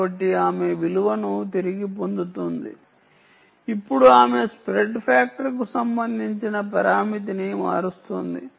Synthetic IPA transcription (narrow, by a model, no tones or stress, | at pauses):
ɐʈːiaːme̞ʋiluʋɐnut̪iɾiɡipo̞nd̪ut̪und̪ḭ | ipːuɽuaːme̞spɾeɖpʰaːk̚ʈɐɾkusɐmbɐnd̪ʱiɲt͡ʃinɐp̬ɐɾaːmit̪̬inima̰ːɾust̪ond̪ḭ